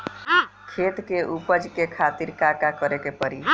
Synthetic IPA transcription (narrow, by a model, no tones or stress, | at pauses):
kʰet̪keʔupəd͡ʒkekʰat̪iɾkakakəɾekepəɾi